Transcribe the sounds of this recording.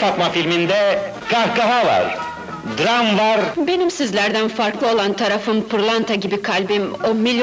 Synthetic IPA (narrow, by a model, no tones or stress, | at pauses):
fat̪mafilʲmind̪ɛ | kahkaɦava̰ɾ | d̪ɾamvaɾbe̞nimsizlʲæɾd̪ænfaɾklˠɯo̞lˠant̪ʰaɾafɯnpʰɯɾlˠant̪ʰaɟibikʰalʲbimomilʲj